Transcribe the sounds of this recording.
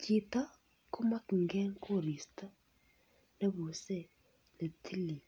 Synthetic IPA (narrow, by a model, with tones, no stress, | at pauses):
t͡ʃi˨ta˦ | ku˦ma˦kŋɡɛ˦ŋko˦˨ɾi˨sta˦ | ne˦βu˨se˦˨ | ne˨tʰi˦li˨